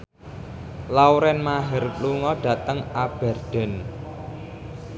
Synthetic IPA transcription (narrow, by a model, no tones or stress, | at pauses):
lawɾɛnmaɦɛrluŋɔɖ̥ä̤t̪əŋab̥ɛ̤rd̥ɛ̤n